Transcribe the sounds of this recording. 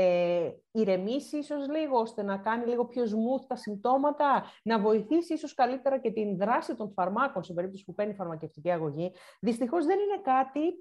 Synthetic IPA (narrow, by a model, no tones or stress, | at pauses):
eiɾe̞misiiso̞zliɣo̞o̞st̪e̞nɐkɐniliɣo̞pço̞zmuθt̪ɐsimb̚t̪o̞mɐt̪ɐnɐvo̞iθisiiso̞skɐlit̪e̞ɾɐce̞t̪inðɾɐsit̪o̞ɱfɐɾmɐko̞nsibe̞ɾip̚t̪o̞si̥pupenifɐɾmɐce̞ft̪iciɐɣo̞ʝiðist̪ixo̞zðe̞nine̞kɐt̪i